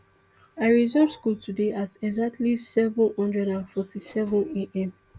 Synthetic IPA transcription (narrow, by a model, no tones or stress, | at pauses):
aɪɹizɔskultʰudeatɛɡzak̚tʰlisɛvɔ̃nhɔ̃ndɹɛdãnfɔtisɛvɔ̃neʔɛ̃m